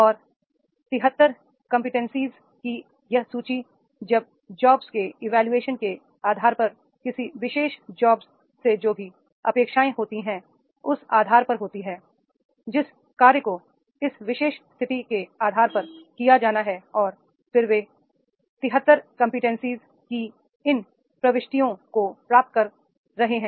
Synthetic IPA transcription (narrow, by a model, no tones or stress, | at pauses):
ɔːɾ | t̪ɪɦət̪ːəɾ | kɐ̃mpɪʈɛ̃nsiːz | ki | jɐɦsuːt͡ʃi | d͡ʒɐb̚ | d͡ʒɔːbz̥keɪʋɛːljueːʃənke | aːd̪ʱaːɾpɐɾ | kɪsiʋɪʃeːʃd͡ʒɔːbzː | ed͡ʒoːbʱi | ɐ̰peːkʃaːẽɦoːt̪iɦɛ̃ | ʊsaːd̪ʱaːɾpɐɾɦoːt̪iɦɛː | d͡ʒɪs | kaːɾjəko | ɪsʋɪʃeːʃst̪ʰɪt̪ikeaːd̪ʱaːɾpɐɾkijad͡ʒaːnaɦɛɔːɾ | fɪɾʋeː | t̪ɪɦət̪ːəɾkɐ̃mpɪʈɛ̃nsiːz | ki | ɪn | pɾɐʋɪʃʈ̪ijõkopɾaːp̚t̪̚kɐɾː | ɐɦeɦɛ̃ː